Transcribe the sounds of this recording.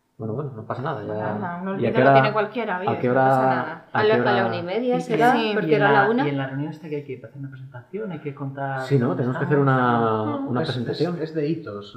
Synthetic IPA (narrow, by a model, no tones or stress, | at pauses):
bwenoβwenonopasanaðaʝaðanoliateoɾaeekwalkjeɾaoakeoɾaaalkeaoɾalaunaimeðjaseɾapoɾeɾalaunaenlareunjonest̪akeajkepaθeɾunapɾse̞nt̪aθjo̞najkekont̪aɾsino̞t̪e̞nemokeaθe̞ɾuna | unapspɾes̬ent̪aθjo̞nezðeit̪os